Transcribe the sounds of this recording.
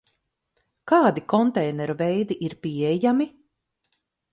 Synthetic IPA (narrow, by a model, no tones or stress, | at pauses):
kaːd̪ikɔnt̪ɛjnɛɾuvɛjd̪iʔiɾpiɛjami